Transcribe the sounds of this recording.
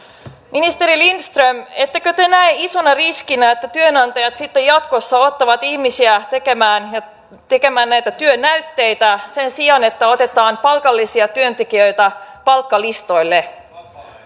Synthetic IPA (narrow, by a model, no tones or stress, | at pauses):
minist̪e̞ɾilinst̪rømet̪ːekøt̪enæeiso̞nɑriskinæet̪ːæt̪yønɑnt̪ɑjɑt̪sit̪ːejɑt̪ko̞sːɑo̞t̪ːɑʋɑt̪ihmisiæt̪ekemæːnj | t̪eke̞mæːnnæjt̪æt̪yønːæyt̪ːe̞jt̪æse̞nsiɑne̞t̪ːæo̞t̪e̞t̪ɑːnpɑlkɑlːisiɑt̪yø̞nt̪ekiø̞jt̪æpɑlkːɑlist̪o̞jlːe̞